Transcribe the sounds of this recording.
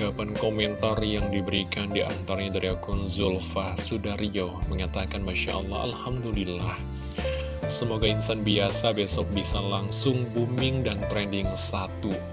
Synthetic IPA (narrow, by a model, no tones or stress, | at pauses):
apankomɛnt̪arjaŋdibəɾikandia̰nt̪aɾaɲadaɾiakunzulfasudaɾioməŋat̪akanmaʃa̰ʔɔ̰lˠːɑ̰ɦa̰lhamdulilah | səmoɡainsanbiasabesɔk̚bisalaŋsʊŋbumɪŋdant̪ɾɛndɪŋsat̪u